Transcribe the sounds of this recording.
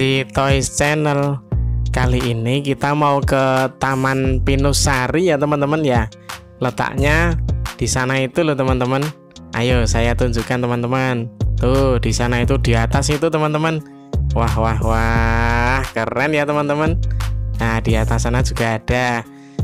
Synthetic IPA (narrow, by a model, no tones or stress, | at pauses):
d̥it̪ɔist͡ʃɛnəlkaliʔinikit̪amaukət̪amanpinʊsaɾijat̪əmənt̪əmənja | lət̪a̰ʔɲad̥isanait̪ulʊht̪əmənt̪əmən | ʔa̰josajat̪uɲd͡ʒukant̪əmənt̪əmənt̪ud̥isanait̪ud̥iat̪asit̪ut̪əmənt̪əmən | waɦwaɦwa | hkəɾɛnjat̪əmənt̪əmənad̥iat̪asanad͡ʒuɡ̥aːd̥a